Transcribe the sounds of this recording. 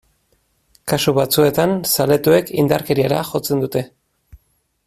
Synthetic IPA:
kasuβat͡sue̞t̪ansale̞t̪ue̞kind̪aɾke̞ɾiaɾaʝo̞t͡se̞nd̪ut̪e̞

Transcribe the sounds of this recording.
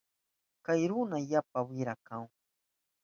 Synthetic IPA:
kajɾʊnajapawɪɾakaŋ

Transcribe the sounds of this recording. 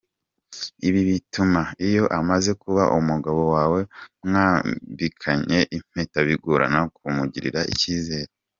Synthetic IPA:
iβiβitumaijo̞ʔamaze̞kuβaʔumuɡaβo̞waːwe̞mŋaːmbikʰaɲe̞ʔim̥etaβiɡuɾa̰nakumuɟiɾḭɾaḭciːze̞ːɾe

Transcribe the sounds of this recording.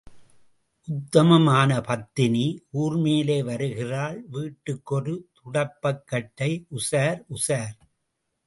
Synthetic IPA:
ʔʊt̪ːɐmɐmaːnɐpɐt̪ːɪniʔuːrmeːleːʋɐɾɯɣɪraːɭʋiːʈːɯkːɔrɯt̪ʊɽɐpːɐkːɐʈːɐɪʔʊsaːɾʊsaːɾ

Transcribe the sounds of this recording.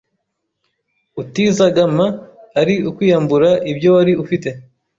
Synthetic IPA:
utizaɡamaːɾiukwiːjambuɾaʔibjo̞waɾiufite̞

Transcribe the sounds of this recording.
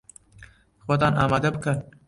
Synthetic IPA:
xwat̪ɑnɑːmɑd̪abəkən

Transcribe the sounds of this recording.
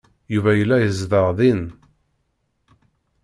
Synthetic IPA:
juvæjəlːæjəzðəʁðin

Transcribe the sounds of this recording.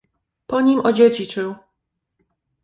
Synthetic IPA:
pɔɲimʔɔd͡ʑed͡ʑit͡ʂɘw

